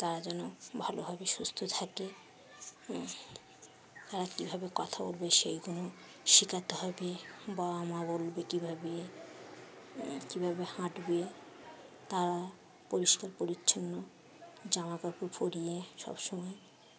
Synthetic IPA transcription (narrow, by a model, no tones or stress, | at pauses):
t̪aɾad͡ʑɛnobʱalobʱabeʃust̪ʰot̪ʰake | t̪aɾakibʱabekɔt̪ʰabolbeʃejkono | ʃikʰat̪eɦɔbebaamabolbekibʱabe | kibʱabehãʈbe | t̪aɾa | poɾiʃkaɾpoɾitːɕʰonːo | d͡ʑamakaɾkofoɾijeʃɔ̰bʃɔmɔe